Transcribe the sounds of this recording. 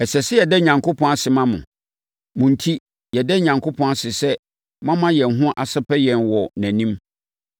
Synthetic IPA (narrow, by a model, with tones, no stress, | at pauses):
ɛ˨sɛ˨sɪ˦jɛ˨dɛ˦ɲã˨ŋkʰo˦pʰɔ̃˦a˨sɪ˨mã˦mʊ̰̃˨ | mʊ̃˨n̩˨tʰi˦ | jɛ˨dɛ˦ɲã˨ŋkʰo˦pʰɔ̃˦a˨sɪ˨sɛ˦ | mã˦mã˦jɛ˨n̩˨ɦʊ̃˦ʔa˨sɪ˦pʰɛ˦jɛ̃˨nwɔ˨næ̃˨nĩ˦m